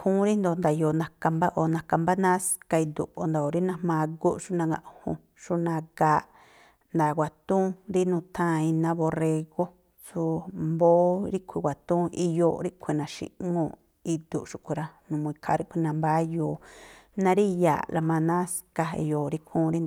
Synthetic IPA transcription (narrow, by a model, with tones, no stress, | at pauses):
kʰũː˦ɾi˦nd̪o˧nd̪a˨jo˨nã˨ka˧mba˦ʔo˧˨nã˨ka˧mba˦nã˦ska˧i˧d̪ṵ˨ʔo˧˨nd̪a˧˨o˨ɾi˦nã˧mã˧ɡo˦ʃu˦nã˧ɡã̰˧ʔhṵ̃˧˨ | ʃu˦nã˧ɡa˧˦ʔ | nd̪a˨ɡʷa˨t̪ũ˦ɾi˦nũː˧˨t̪ʰã˦˧i˧nã˦βo˧re˧ɣo˦ | su˧mboː˦ɾi˦kʷʰi˧wʷa˨t̪ũ˦i˧jo˧ɾi˦kʷʰi˧nã˨ʃḭ̃˧ʔŋũ˧ | i˧d̪u˨ʔʃu˧˨kʷu˧ɾa˧nũ˨˧mũ˧i˧kʰa˧ɾi˦kʷi˧nã˧mba˦joː˧˨nã˧ɾi˦ja̰˨la˧mã˧nã˦ska˧ḛ˧jo˨ɾi˦kʰũː˦ɾi˦nd̪o˧